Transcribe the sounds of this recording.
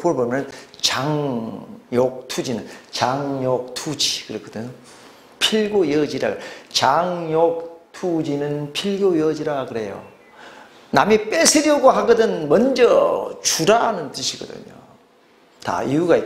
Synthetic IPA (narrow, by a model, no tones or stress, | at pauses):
poɭbomjʌnt͡ɕaŋ | jok̚tʰud͡ʑinɯnt͡ɕaŋjok̚tʰud͡ʑi̥kɯɾekʰʌdɯɲo | pʰiɭɡojʌd͡ʑiɾa̰ɡɯt͡ɕaŋjok̚tʰud͡ʑinɯnpʰiɭɡojʌd͡ʑiɾakɯɾe̞jo̰ | na̰mip͈esʰeɾjʌɡoɦaɡɯdɯnmʌnd͡ʑʌt͡ɕuɾaɦanɯntɯɕʰiɡʌdɯ̰ɲo̰ | ta̰iuɡai